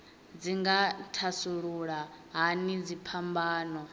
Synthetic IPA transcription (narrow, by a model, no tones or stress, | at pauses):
d͡ziŋɡatʰasuɺuɺa | ɦanid͡zipʰambaːnɔ